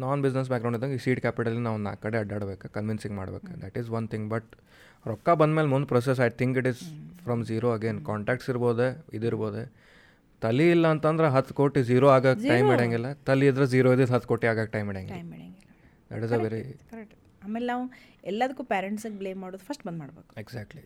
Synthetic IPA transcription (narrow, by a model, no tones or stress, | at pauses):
naːnbid͡ʒnes̬bæːkɡɾɐw̃ɳɖid̪ɐ̃ŋɡisiːʈkæːpiʈɐlːinaːʋna̰ːkːɐɽeɐɖaːɽbeːkakɐnʋinsĩŋɡma̰ːɽbḛːkad̪æʈizʋɐnt̪ʰĩŋɡbɐʈ̚ | ɾɔkːabɐnd̪meːlmund̪upɾoːs̬es̬ɐjt̪ʰiŋkiʈizfɾɐ̃mziːɾoɐɡeːnkaːɳʈæːk̚ʈsiɾboːd̪eid̪iɾboːd̪e | t̪ɐliːlːɐːnt̪ɐnd̪ɐɾeɦɐt̪ʰːkoːʈiziːɾoaːɡakʈɐjmaɽaŋɡilːɐt̪ɐliːd̪ɾed͡ʒiːɾoːd̪eɦɐt̪ːkoːʈiaːɡaːk̚ʈɐjmːiːɽãŋɡlːɽŋɡilː | d̪ɛ̰ʈizɐʋeɾi | aːmelenaːʋu | ɛlːaːd̪ɐkːuːpaːɾeɳʈsɐɡebleːmːaːɽoːd̪upʰɐsʈbɐnd̪maːɽbeːku̥eɡzæːk̚ʈli